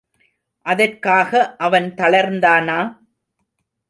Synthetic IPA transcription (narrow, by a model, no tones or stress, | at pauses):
ʔɐðɐrkaːɣɐʔɐʋɐnt̪ɐɭɐɾnd̪aːnaː